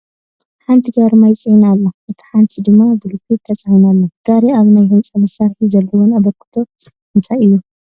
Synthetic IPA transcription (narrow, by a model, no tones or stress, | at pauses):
ħant̪ʰiɡaɾmajt͡sʼiʕinalːaʔɨt̪ʰi̥ħant̪ʰid̪ɨmːabɨlukʰet̪ʰːɐt͡sʼʕinalːaɡ̥aɾeaβnajhɨnt͡sʼɐmɐsaɾħizɐlːɐwunaβɐɾkʰɨ̥t̪ʰo̞ | hɨnt̪ʰʼaɨjːu